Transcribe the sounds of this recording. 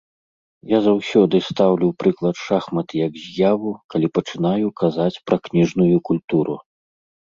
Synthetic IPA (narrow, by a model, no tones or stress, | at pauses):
jazawsʲɔd̪ɨst̪awlʲuwpɾɨklˠɐt̪ʂaxmɐt̪ɨjɐɡzʲjavukɐlʲipɐt͡ʂɨn̪ajukazat͡sʲpɾɐknʲiʐnujukulʲt̪uɾṵ